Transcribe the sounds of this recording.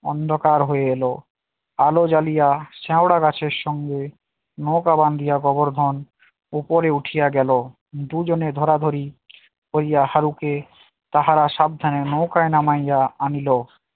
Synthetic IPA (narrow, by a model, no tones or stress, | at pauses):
ɔ̰nd̪ʱokaɾɦoeelo | alod͡ʑalijaʃɛoɽaɡat͡ɕʰeɾʃɔŋɡe | nokaband̪ʱijaɡɔboɾd̪ʱɔn | upoɾeuʈʰijaɡɛlo | d̪ud͡ʑoned̪ʱɔɾad̪ʱoɾi | koɾijahaɾuke | t̪aɦaɾaʃab̚d̪ʱanenokaenamajaanilo